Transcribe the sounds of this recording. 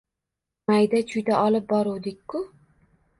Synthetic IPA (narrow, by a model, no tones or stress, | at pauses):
majd̪at͡ʃʰʊjd̪aʔɒlɪp̚bɒɾuwd̪ɪkʲkːʊ